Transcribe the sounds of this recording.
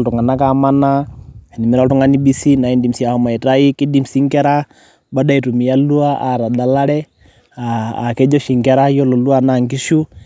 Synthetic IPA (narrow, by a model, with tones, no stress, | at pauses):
ltu˨ŋa˨na˦ka˦ma˦na˦˨ni˨mi˦ɾa˦ltu˦ŋa˦ni˦bi˦si˦na˨i˦ndi˨msi˨a˨u˨ma˨i˨ta˦i˦ki˦di˦msi˦ŋkɛ˦ɾa˦ | ba˦da˦i˨tu˨mi˨ja˦lu˦a˦ʔa˨ɾa˨da˨la˦ɾɛ˦ | a̰ː˨kɛ˦d͡ʒɔ˦ʃi˨ŋkɛ˨˦ɾa˦jɔ˦lɔ˨lu˦a˦na˦˨ŋki˦ʃu˦